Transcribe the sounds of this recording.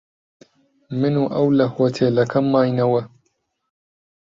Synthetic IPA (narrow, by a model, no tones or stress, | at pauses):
mɪnuːʔɐwlɐhwɐt̪ʰeːlɐkʰɐmːaːjnɐwɐ